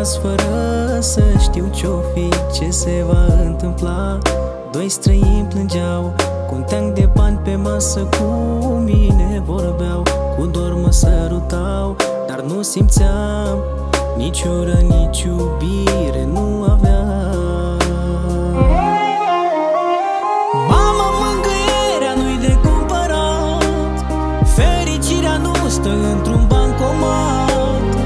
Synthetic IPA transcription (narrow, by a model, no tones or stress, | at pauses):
sfəɾəsəʃt̪iwt͡ʃofit͡ʃe̞se̞vaɨnt̪ɨmpla | d̪o̞jst̪ɾəinplɨnd͡ʒaw | kunt̪eŋd̪e̞panʲpe̞masəkʰumine̞vo̞ɾabeaw | kud̪orməsəɾut̪a | w | d̪̥arnusimt̪sa | m | nit͡ʃoɾənʲit͡ʃu | bi | ɾenu | ava | mamaməŋɡə | ɾeanujd̪ekumpəɾa | t̪ | feɾit͡ʃiɾeanost̪əɨnt̪ɾunbaŋkoma | t̪